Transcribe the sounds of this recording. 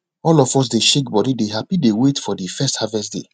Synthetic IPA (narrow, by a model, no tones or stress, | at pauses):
ɔlɔfɔs̬deʃekbɔdideɦapidewetfɔdifɛsthavɛstdḛ